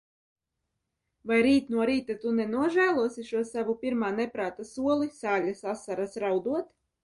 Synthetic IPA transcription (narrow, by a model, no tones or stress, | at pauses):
vajɾiːt̪nuɔɾiːt̪at̪unɛnuɔʒæːlˠuɔsiʃuɔsavupʲiɾmaːnɛpɾaːt̪asuɔlˠisaːlʲasasaɾasɾawd̪uɔt̪